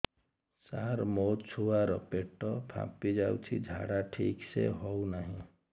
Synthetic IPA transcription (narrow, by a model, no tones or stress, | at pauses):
saːɾmoːt͡ʃʰuaɾɔpeʈːɔpʰã̰ːpid͡ʒaːṵt̪ʰid͡ʒʱa̰ːɽaʈʰiːksḛɦounaɦĩ